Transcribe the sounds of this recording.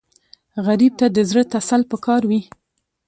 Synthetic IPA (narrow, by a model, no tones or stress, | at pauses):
ɣaɾib̚t̪ad̪əzɽət̪asalpəkʰɑɾwi